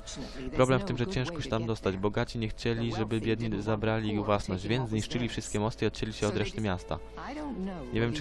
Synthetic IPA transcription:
pɾɔblɛmft̪ɘmʐɛt͡ɕɛ̃ʂkɔɕɛt̪amd̪ɔst̪ad͡ʑbɔɡat͡ɕiɲɛxt͡ɕɛlʲiʐɛbɘbʲjɛd̪ɲizabɾalʲiiɣvwasnɔʑd͡ʑvʲjɛnd̪zɲiʂt͡ʂɘlʲifʂɘst̪̚kʲɛmɔst̪ɘiɔt̪̚t͡ɕɛlʲiɕɛɔd̪ɾɛʂt̪ɘmʲjast̪a̰ | ɲɛvʲjɛmt͡ʂ

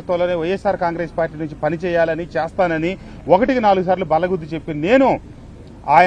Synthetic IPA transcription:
t̪ʋɐloːneːʋɐjesːaːɾkaːŋɡɾeːspaːɾʈiːnuɲt͡ʃipɐnit͡ʃɛːjaːlɐnit͡ʃɛːst̪aːnɐni | ɔkɐʈikinaːluɡus̬aːɾlubɐlɐɡud̪ːut͡ʃe̞pːinne̞ːnu | aːjɐ

